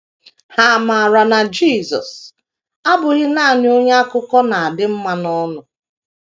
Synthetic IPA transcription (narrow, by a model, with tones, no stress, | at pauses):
ha˨ma˨a˨ɾa˨na˨d͡ʒi˦˨zɔ̰˨s | a˦bʊ˨ɣɪ˦na˦a˨ɲ˦o˦ɲe˦a˦kʊ˦kɔ˦na˨a˨dɪ˦m̩˦ma˦nɔ˦nʊ˨